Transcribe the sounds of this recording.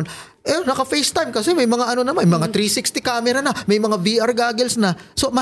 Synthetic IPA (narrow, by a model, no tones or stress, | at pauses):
n | ʔɛnɐkɐfejst̪ajmkɐsɛmɐjmɐŋaʔɐno̞nɐmanjmɐŋat̪ɾiːsɪkst̪ɪkaːmɛɾɐnamɐjmɐŋaviʔɐɹɡaːɡɪlsnɐso̞mɐ